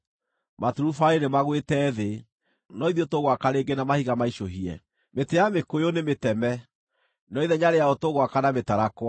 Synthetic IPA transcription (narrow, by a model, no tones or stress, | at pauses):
matuɾufaenemaɣwetɛðe | nɔiðiotoɣwakaɾeɡenamahiɣamaiʃoɦiɛ̰ | metejamekojonemetɛmɛ | nɔiðɛɲaɾejaotoɣwakanametaɾakwa